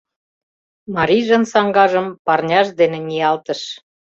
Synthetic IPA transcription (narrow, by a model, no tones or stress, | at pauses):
mɑɾiʒə̆nsɑŋɡɑʒəmpɑrnʲɑʃd̪enĕnʲiɑlt̪əʃ